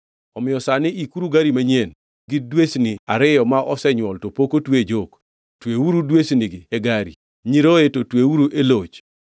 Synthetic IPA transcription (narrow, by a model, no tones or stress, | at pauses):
ɔmɪjɔsanɪʔikuɾuɡaɾimaɲen | ɡɪdwesnɪaɾɪjɔmaʔɔsɛɲwɔltopokotwed͡ʒok | tweuɾudwesnɪɡɪeɡaɾi | ɲiɾoetotweuɾuʔelot͡ʃ